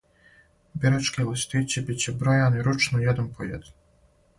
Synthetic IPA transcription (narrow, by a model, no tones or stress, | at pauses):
bʲiɾat͡ʃkelˠist̪it͡ɕebit͡ɕebɾojaniɾut͡ʃnujɛd̪anpʰojed̪ʲ